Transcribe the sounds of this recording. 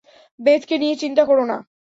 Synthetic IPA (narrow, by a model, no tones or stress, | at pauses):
betkeniet͡ɕint̪akoɾona̰